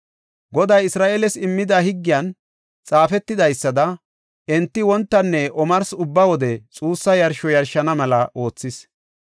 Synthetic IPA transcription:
ɡɔd̪ɐjɪsɾaːʔeːlɛsɪmːɪd̪ahɪɡːɪjɐn | t͡sʼaːfɛt̪ːɪd̪ɐjsːɐd̪ɐ | ɛnt̪ːɪwɔnt̪ːɐnːɛʔɔmɐɾsʊbːɐwɔd̪ɛt͡sʼuːsːɐjɐɾʃɔjɐɾʃːɐnɐmɐlɐʔo̞ːt͡sːɪs

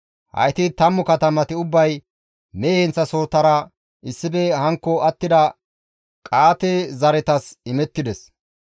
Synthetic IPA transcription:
hɐ̰jt̪ɪt̪ɐmːʊkɐt̪ɐmɐt̪ɪʊbːɐj | meːhɛnt͡sːɐso̞ːt̪ːɐɾɐ | ʔɪsːɪbɛhɐŋkːɔɐt̪ːɪd̪ɐ | kʼaːt̪ezɐɾɛt̪ɐsɪmɛt̪ːɪd̪ɛs

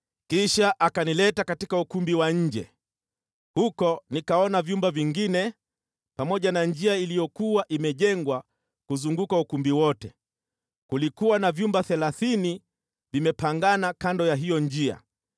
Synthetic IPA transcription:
kiʃaʔakanilɛtakatikaukumbiwaɲ̩d͡ʒɛ̰ | hukɔnikaɔnavjumbaviŋɡinɛ | pamɔʄanaɲd͡ʒiailijɔkuwaʔimɛʄɛŋɡwa | kuzuŋɡukaukumbiwɔtɛ | kulikuwanavjumbaθɛlaθini | vimɛpaŋɡanakandɔjaɦijɔnd͡ʒia̰

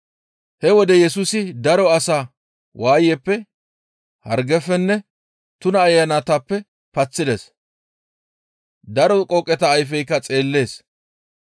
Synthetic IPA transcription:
hɛwɔd̪ɛjɛsʊsɪd̪ɐɾɔɐsaː | waːjɛpːɛ | hɐ̰ɾɡɛfːɛnːɛ | t̪ʊnɐːjːɐnat̪ɐpːɛ | pɐt͡sːɪd̪ɛs | d̪ɐɾɔkʼɔkʼːɛt̪ɐːjfɛjkːɐt͡sʼe̞ːlːe̞ːs

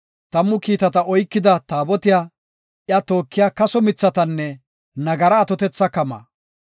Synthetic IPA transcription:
t̪ɐmːʊkiːt̪ɐt̪ɐɔjkːɪd̪ɐt̪aːbɔt̪ɪja | ʔjɐt̪oːkːɪjaːkɐsɔmɪt͡sːɐt̪ɐnːɛ | nɐɡɐɾɐːt̪ɔt̪ɛt͡sːɐkɐmɐ̰ː

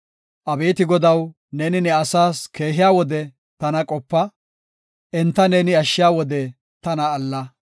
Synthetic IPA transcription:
ʔɐbeːt̪ɪɡɔd̪ɐw | neːnɪnɛɐsaːskʰe̞ːɦɪjaːwɔd̪ɛ | t̪ɐnɐkʼɔpːɐ | ʔɛnt̪ːɐneːnɪɐʃːɪjaːwɔd̪ɛ | t̪ɐnɐːlːɐ

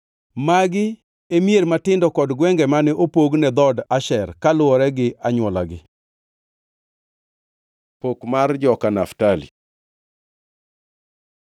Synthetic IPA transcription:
maɡɪ | emjeɾmatɪndɔkɔdɡwɛŋɡɛmanɛʔopoɡnɛd̪ɔdaʃɛrkalʊɔɾɛɡɪʔaɲwɔla̰ɡɪ | pokmard͡ʒɔkanaftalḭ

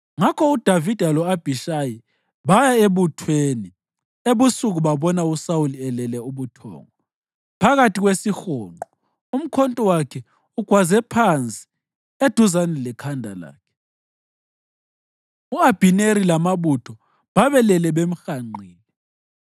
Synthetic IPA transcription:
ŋakʰɔud̥ʱavid̥ʱalɔab̥ʱiʃaji | βajaeβutʰweni | eβusuɣuβaβɔnausauliɛlɛlɛuβutʰɔ̰ːŋɔ | pʰaɣatʰiɣwesixɔːŋ͡ǃɔ | um̩kʰɔntʼɔwakʰɛ | uɡ̥ʱwazɛpʰant͡sʼi̥ | ed̥ʱuzanɛlɛkʰandʱala̰ːkʰɛ̥ | uab̥ʱineɾilamaβutʰɔ | βaβɛlɛlɛβem̩xaŋ͡ǃiːlɛ

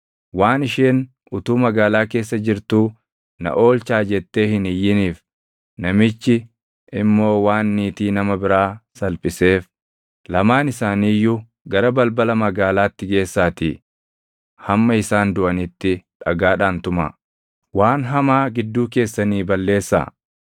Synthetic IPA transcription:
waːnɪʃeːn | ʊt̪uːmɐɡaːlaːke̞ːs̬ːɐd͡ʒɪɾt̪uː | nɐ̰ʔo̞ːlt͡ʃaːd͡ʒɛt̪ːe̞ːhɪnɪjːɪniːf | nɐmɪt͡ʃːɪ | ʔɪmːo̞ːwaːnːiːt̪iːnɐmɐbɪɾaːsɐlpʼɪse̞ːf | lɐmaːnɪsaːniːjːʊ | ɡɐɾɐbɐlbɐlɐmɐɡaːlaːt̪ːɪɡe̞ːsːaːt̪ɪ | hɐmːɐɪsaːnd̪ʊʔɐnɪt̪ːɪᶑɐɡaːᶑaːnt̪ʊmɐ̰ | waːnɦɐmaːɡɪd̪ːuːke̞ːsːɐniːbɐlːe̞ːsːa̰ː

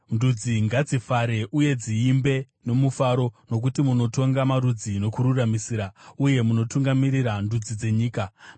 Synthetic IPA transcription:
ndud͡ziŋɡad͡zifaɾe̞ʔuje̞d͡ziːmbe̞ | no̞mufaɾo̞no̞k̬utimuno̞to̞ŋɡamaɾud͡zino̞kuɾuramisiːɾauje̞muno̞tuŋɡamiɾiɾandud͡zid͡ze̞ɲiːka

